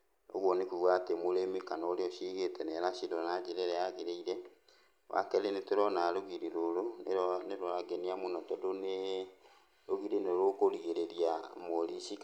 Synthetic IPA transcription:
o̰ɣwɔnekuɣwatemoɾemikanaoɾeoʃiɣetɛnɛɾaʃidɔnad͡ʒeɾeɾɛaɣiɾeiɾɛ | wʔa̰kɛlenetoɾɔnaɾoɣiɾiɾoɾoneneɾoaɡeniamonɔdɔdone | ɾoɣiɾineoɾokoɾiɣeɾeɾiamoɾiʃik

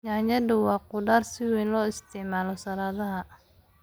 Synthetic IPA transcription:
ɲajɐdʊwɑːqʊɖaːrsɪwɛːnlɔːɪst̪ʰɛʕmaːlɔsɐlaːðɐɦɐ

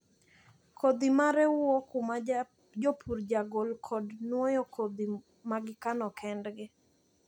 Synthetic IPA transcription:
kʰod̪imaɾɛwokum | d͡ʒopʰuɾd͡ʒaɡolkʰɔdnwɔjɔkʰod̪i | maɡɪkanɔkʰɛndɡɪ

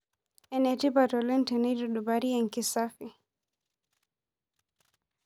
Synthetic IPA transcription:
ɛnɛtibatɔlɛntɛnituɗubaɾiɛŋkisafi

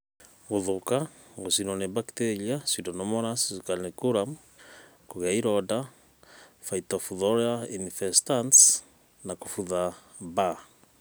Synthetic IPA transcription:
ɣuðuka | ɣosinɔnebakt̪eɾiasudɔnɔmɔɾasisukalnekuɾam | koɣeaiɾɔda | faitɔfuðɔɾainifɛstans | nakufuða | ba

